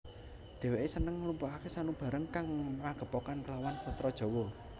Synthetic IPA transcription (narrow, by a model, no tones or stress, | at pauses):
d̪̥e̤weʔesənəŋlumpaakesanub̥a̤ɾəŋkaŋmaɡ̥ə̤pɔkankəlawansəst̪ɾɔd̥ʒ̥ɔ̤wɔ